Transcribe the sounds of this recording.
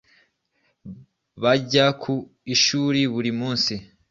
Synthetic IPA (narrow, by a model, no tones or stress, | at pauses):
βaɟakʰu | iʃuːɾiβuɾimuːnsi